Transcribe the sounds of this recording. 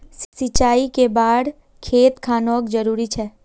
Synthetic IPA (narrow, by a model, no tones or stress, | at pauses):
ssɪt͡ʃaːikebaːɽ | kʰeːt̪kʰaːnɔːkd͡ʒəɾuːɾit͡ʃʰɛː